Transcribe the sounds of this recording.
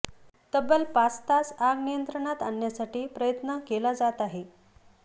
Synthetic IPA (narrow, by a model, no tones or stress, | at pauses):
t̪əbəlpast̪asaɡnijənt̪ɾəɳat̪anjasaʈiːpɾəjət̪nəkelad͡zat̪aɦe